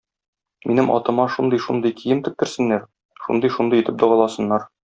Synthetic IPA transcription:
mʔinɘmʔɒ̰t̪ɤ̆mɑʃund̪ɤjʃund̪ɤjkijɘmt̪ɘ̆k̚t̪ɘ̆ɾsɘ̆nːæɾ | ʃṵnd̪ɤjʃund̪ɤjit̪ɘp̚d̪ŏʁɑlˠɑsɤ̆nːɑɾ

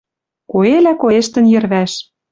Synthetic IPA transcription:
koelækoeʃt̪ə̆njɘ̆rβæʃ

